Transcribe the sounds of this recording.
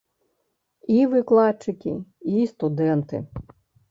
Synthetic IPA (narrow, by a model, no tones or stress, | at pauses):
iʋɪklˠɑt͡ʃɪkʲɪ̰ist̪ʊd̪ɛnt̪ɪ̰